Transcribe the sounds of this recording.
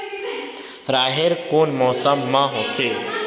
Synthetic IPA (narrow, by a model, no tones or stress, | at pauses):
ɾaːɦeɾkoːnmɔːsamːãɦot̪ʰeː